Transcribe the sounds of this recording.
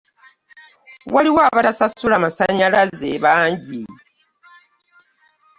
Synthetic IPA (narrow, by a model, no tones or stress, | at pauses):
waliwaβatasasulamasaɲalazeβaːɲɟi